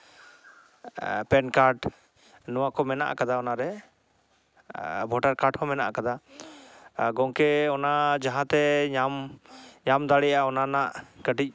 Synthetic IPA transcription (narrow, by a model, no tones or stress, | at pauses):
pɛnkaɾɖ | nɔwakɔmɛna̰ʔa̰kad̪aɔnaɾɛ | bʱɔʈaɾkaɾʈhɔ̃mɛnaʔa̰kad̪a | ɡɔ̃ŋkɛɔnad͡ʒaɦãt̪ɛɲamɲamd̪aɽɛjaaɔnanaʔkəʈic̚ˀ